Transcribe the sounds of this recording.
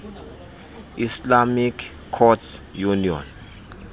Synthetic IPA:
islamikʰ | kʰːɔtsjuniɔ̰n

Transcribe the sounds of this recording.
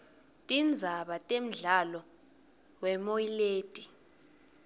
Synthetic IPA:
tʼind͡zʱaɓatʼem̩ɮalɔ | wɛmoileːd̥ʼʱi

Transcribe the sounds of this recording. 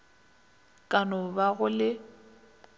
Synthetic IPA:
kʼanʊbaɣʊlɪ

